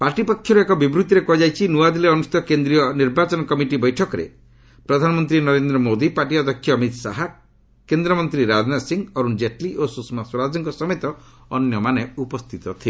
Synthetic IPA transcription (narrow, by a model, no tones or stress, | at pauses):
paɾʈipɔkʰːjɔɾuekɔbibɾut̪iɾekɔd͡ʒajt͡ʃʰinuad̪ileɔnusi̥tt̪ɔkend̪ɾijɔniɾbat͡ʃɔnɔkɔmiʈibɔjʈʰɔkɔɾḛ | pɾɔd̪ʱanɔmɔnt̪ɾinɔɾend̪ɾɔmod̪ipaʈiɔd̪ɔkʰːjɔːmit̪saɦa | kend̪ɾɔmɔnt̪ɾiɾad͡ʒnasiŋɔɾund͡ʒeʈliʔosusmaswɔɾad͡ʒɔŋkɔsɔmet̪ɔː | njɔmaneupɔst̪ʰit̪ɔt̪ʰi